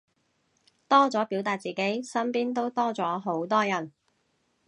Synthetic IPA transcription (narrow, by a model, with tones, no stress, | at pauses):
t̪ɔː˥t͡sɔː˨˥pi˨˥wt̪aː˧t̚t͡siː˨ke˨˥jsɐ˥mpiː˥nt̪o˥wt̪ɔː˥t͡sɔː˨˥ɦo˨˥wt̪ɔː˥jɐ˨˩n